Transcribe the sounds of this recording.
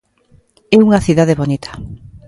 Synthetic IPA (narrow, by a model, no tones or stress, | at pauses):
ɛuŋɐθiðaðeβonit̪ʰḁ